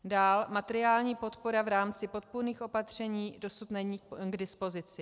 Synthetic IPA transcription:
daːlmat̪ɛɾɪaːlɲiːpo̞t̪poɾavɾaːmt͡sɪpo̞t̪̚puɾniːxʔo̞pat̪r̝̥ɛɲiːdo̞sut̪nɛɲiːɡdɪspo̞zɪt͡sɪ

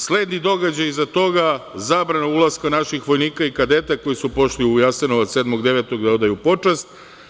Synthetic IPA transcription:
sle̞d̪nid̪o̞ɡad͡ʑajzat̪o̞ɡazabɾanaulˠaskanaʃixʋo̞jniːkaikad̪et̪ako̞jisupo̞ʃliujasenoʋat̪sed̪mo̞ɡd̪eʋet̪o̞ɡd̪ao̞d̪ajupo̞t͡ʃast̪

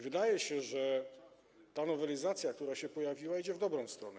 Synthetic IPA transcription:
vɘd̪ajɛɕɛʐɛ | t̪anɔvɛlʲizat̪sʲjakt̪uɾaɕɛpɔjavʲiwaid͡ʑɛvd̪ɔbɾɔ̃w̃st̪ɾɔnɛ

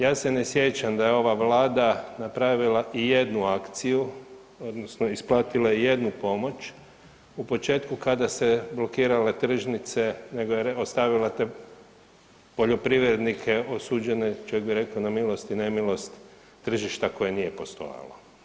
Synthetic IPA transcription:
jaːse̞nesje̞t͡ʃamd̪ajeo̞ʋaʋlaːd̪anapɾaʋilaʔije̞d̪nuakt̪siju | o̞d̪nosno̞isplˠaːt̪ilaije̞d̪nupo̞mo̞t͡ʃ | upo̞t͡ʃe̞ːt̪kukad̪ase̞blˠo̞kiːɾale̞t̪r̩ʒnit̪se̞ne̞ɡojeeost̪aʋilat̪e̞ | po̞ʎo̞pɾiʋɾe̞d̪nikʰe̞o̞suːd͡ʒe̞net͡ʃojek̚biɾe̞kaonamilˠo̞st̪ine̞milˠo̞st̪ː | r̩ʒiʃt̪ako̞jenije̞po̞st̪o̞̰ja̰lo̰

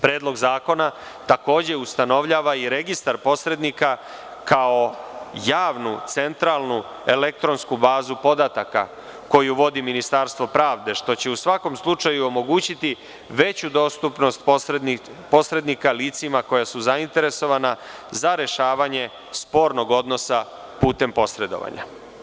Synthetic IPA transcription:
pɾe̞ːd̪lˠo̞ɡzaːko̞na | t̪ako̞ːd͡ʑe̞ust̪ano̞ʋʎaːʋaiɾe̞ɡist̪aɾpo̞sɾe̞d̪nika | kʰaojaːʋnut̪se̞nt̪ɾalnu | e̞le̞k̚t̪ɾo̞nskubaːzupo̞d̪at̪aka̰ | ko̞juʋo̞d̪iminist̪aɾst̪ʋo̞pɾaːʋd̪e̞ʃt̪o̞t͡ɕe̞usʋako̞mslˠut͡ʂajuo̞mo̞ɡuːt͡ɕit̪i | ʋe̞t͡ɕud̪o̞st̪upno̞st̪ | po̞sɾe̞d̪nikaliːt̪simako̞jasuzaint̪e̞ɾe̞so̞ʋanazaɾe̞ʃaːʋaɲe̞ | spo̞ːɾno̞ɡo̞d̪no̞sa | puːt̪e̞mpo̞sɾe̞d̪o̞̰ʋa̰ɲa̰

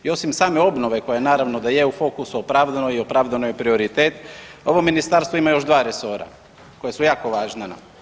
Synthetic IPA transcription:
io̞simsaːme̞o̞bno̞ʋe̞kojaenaːɾaʋno̞d̪ajeufo̞kusuopɾaʋd̪anoio̞pɾaʋd̪anojepɾio̞ɾit̪eːt̪o̞ʋominist̪aɾst̪ʋoimajo̞ʒd̪ʋaːɾeso̞ɾa̰ | ko̞jasujaːko̞ʋaːʒnana̰m

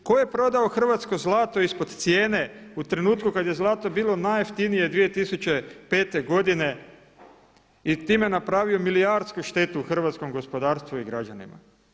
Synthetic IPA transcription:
ko̞je̞pɾo̞d̪aoxr̩ʋat̪sko̞zlˠaːt̪o̞ispod̪t̪sje̞ːneut̪ɾe̞nuːt̪kukad̪je̞zlˠaːt̪o̞biːlˠo̞najft̪inije̞d̪ʋije̞t̪isut͡ɕe̞pe̞ːt̪e̞ɡo̞d̪ine̞ | it̪iːmenapɾaːʋio̞milijaɾt̪skuʃt̪e̞t̪uːxr̩ʋaːt̪sko̞mɡo̞spo̞d̪aːɾst̪ʋuiɡɾad͡ʒanḭma̰

